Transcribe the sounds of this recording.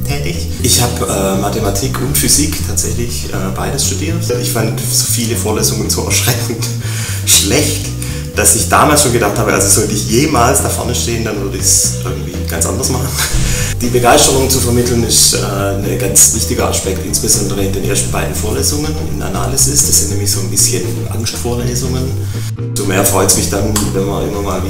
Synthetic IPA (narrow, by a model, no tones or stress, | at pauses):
tʰɛːtɪç | ʔɪçhaːbʔɛːmatʰematʰiːkʰʊntfyziːktʰaːtz̥ɛçlɪçʔɛːbaɪdəsʃtud̥iːɐtɪçfant | z̥oːfiːləfoːɐleːzʊŋənzoːʔɛɐʃʁ̥ɛkŋ̩t | ʃlɛçt | d̥asɪçd̥a̰ːmaːlsʃoːnɡədaχthaːbəʔa̰lzoz̥ɔltəɪçjeːmaːlsd̥afɛ̰ɐnəʃteːəndanvʏɐdəɪçsʔɪɐɡŋ̩tv̥iːɡ̥a̰nt͡sʔa̰ndɐsmaχn̩d̥iːbəɡaɪstəʁʊŋt͡sufɛɐmɪtl̩nɪʃɛː | nəɡant͡svɪçtɪɡɐʔa̰spɛktʔɪ̰nsb̥əzɔndəʁəɪndeːnʔḛːɐstn̩baɪdn̩foːɐleːzʊŋənɪ̰nʔa̰na̰lɪsɪsd̥asz̥ɪntnɛːmlɪçz̥oːnbɪsçən | ʔa̰ŋstfoːɐleːzʊŋən | z̥omeːɐfʁ̥ɔʏtəsmɪçd̥anvɛnmɐɐʔɪ̰mɐmaːlvi